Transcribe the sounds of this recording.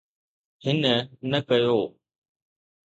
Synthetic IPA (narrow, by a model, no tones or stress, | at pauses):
hɪnənɐkɐjoː